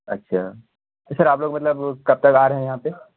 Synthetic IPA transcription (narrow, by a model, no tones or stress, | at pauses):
ɐ̰tːʃʰaː | t̪osɐɾaːploːɡmɐt̪ləbkɐb̚t̪ɐkaːɾɦɛ̃jɐɦãːpe